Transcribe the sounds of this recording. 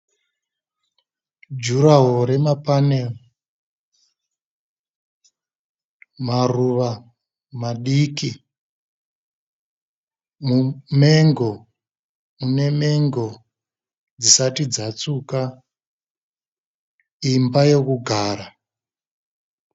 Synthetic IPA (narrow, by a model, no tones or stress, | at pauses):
d͡ʒuɾaɦoɾe̞mapanel | maruʋa | maɗiki | mumeŋɡo | une̞me̞ŋɡo | d͡zisatid͡zat͡suka | imbaje̞kuɡʱaːra